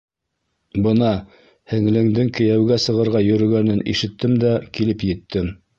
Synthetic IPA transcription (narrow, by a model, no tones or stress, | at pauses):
bɤnɑ | hɘ̆ŋlɘ̆ŋd̪ɘŋkɘ̆jæwɡæsɤ̆ʁɤ̆ɾʁɑjɵ̆ɾɵ̆ɡænɘnḭʃɘ̆t̪ːɘmd̪ækilɘpjɘ̆t̪ːɘm